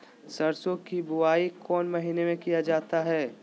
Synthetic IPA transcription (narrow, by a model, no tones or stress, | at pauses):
sɐɾsõkibʊaːikɔːnmɐɦinemẽkijad͡ʒaːt̪aɦɛː